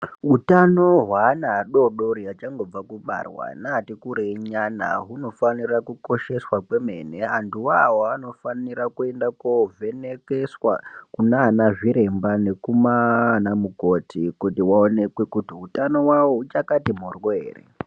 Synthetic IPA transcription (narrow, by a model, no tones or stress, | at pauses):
utano̞ɦwanaɗo̞ɗoɾiat͡ʃaŋɡo̞b͡vakuɓa̰rwa̰natikuɾeɲana̰ɦuno̞fanirakuko̞ʃe̞swakwe̞me̞neantuwawoano̞faniɾakue̞ndakovʱe̞nekeswa̰kunanaʐiɾe̞mbane̞kumanamuko̞tʰikutiwaone̞kwe̞kutiutano̞wawoɦut͡ʃakatimorweːrḛ